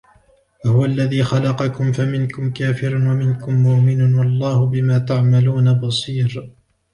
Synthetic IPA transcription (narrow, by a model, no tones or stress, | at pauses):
wahʊwaʔlːaðiːxɑlɑqɑkʊmfamɪnkʊmkaːfɪɾanwamɪnkʊmːʊʔmɪnʊwɑlˤːɑːhʊbɪmaːt̪aʕmaluːnabɑsˤiːɾ